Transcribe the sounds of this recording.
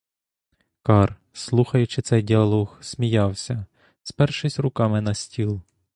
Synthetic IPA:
kɑr | slˠuxɐjʊt͡ʃɪt̪sɛjdʲiɐlˠɔɣsmʲijɑwsʲɐ | spɛrʃɪsʲrʊkɑmɪnɐsʲtʲilˠ

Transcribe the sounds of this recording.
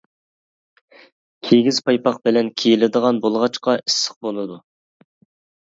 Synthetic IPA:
kʲʰeɡʲizpɑjpɑq̚bɪlɛnkʲʰejilɪd̪əʁɑnbolˠʁɑt͡ʃqɑʔɪ̥sːɪ̥q̚bolˠɨd̪u

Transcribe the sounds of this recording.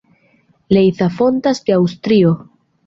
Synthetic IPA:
lejθafo̞nt̪asd̪eawst̪ɾio̞

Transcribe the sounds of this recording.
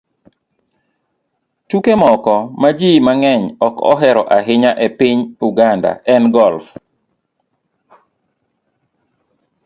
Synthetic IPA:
tukemɔkɔmad͡ʒimaŋɛɲɔkɔ̰ɦɛɾɔʔaɦɪɲaʔɛpɪɲuɡanda̰ʔɛnɡɔlf

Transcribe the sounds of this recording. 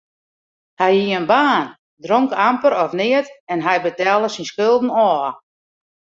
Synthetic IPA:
hɛjhiənbaːn | droŋkampəɾɔfnɪətɛnɦɛjbətaːlˠəsinskølˠdn̩ɔː

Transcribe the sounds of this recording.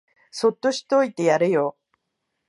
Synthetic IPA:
so̞t̪ːo̞ɕi̥t̪o̞it̪e̞jaɾejo

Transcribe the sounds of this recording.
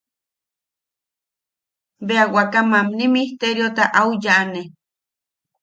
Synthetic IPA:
beawakamamnimiht̪eɾjot̪aʔaujane

